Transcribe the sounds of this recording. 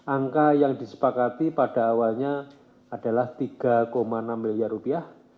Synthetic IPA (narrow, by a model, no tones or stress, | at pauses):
ʔaŋkajaŋdisə̥pakat̪ipad̥a̤ːwalɲaː | d̥a̤laht̪iɡ̥a̤komanamːiliarrupiah